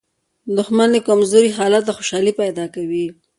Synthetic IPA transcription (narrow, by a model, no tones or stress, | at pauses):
d̪ʊxmand̪əkamzoɾiɦɑlat̪̚d̪axoʃɑlipajd̪ɑkawi